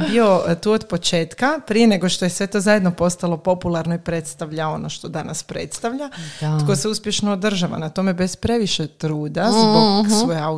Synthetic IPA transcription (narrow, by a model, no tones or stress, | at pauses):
bio̞t̪uːod̪po̞t͡ʃe̞ːt̪kapɾije̞ne̞ɡo̞ʃt̪ojesʋe̞t̪o̞zaje̞d̪no̞po̞st̪alˠo̞po̞pulˠaɾno̞ipɾe̞t̪st̪aʋʎao̞noʃt̪o̞d̪anaspɾḛt̪st̪aʋʎat̪kose̞uspʲje̞ʃnoːd̪r̩ʒaʋa̰nat̪o̞mebe̞spɾe̞ʋiʃet̪ɾuːd̪azboɡsʋojeau